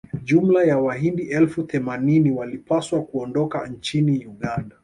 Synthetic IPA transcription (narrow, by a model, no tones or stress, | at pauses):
ʄum̩lajawaɦindiʔɛlfuθɛmaniniwalipaswakuɔndɔkant͡ʃinijuɠanda